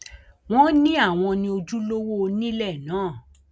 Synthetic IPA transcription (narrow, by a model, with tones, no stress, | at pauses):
w̃ɔ̃˦nĩ˦a˦˨w̃ɔ̃˧nĩ˧o˧d͡ʒu˦lo˦wo˦nĩ˦lɛ˦˨nãː˨˦˨